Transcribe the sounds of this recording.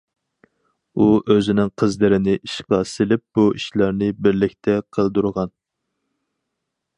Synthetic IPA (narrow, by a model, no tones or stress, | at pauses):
uʔøzɪnɪŋqʰəzlɨɾɪnɪʔiʃqɑsɪlɪp̚b̥uʔiʃlɑɾnɪbɪɾlɪkʲt̪ʰɛqʰəlˠd̪uɾʁɑn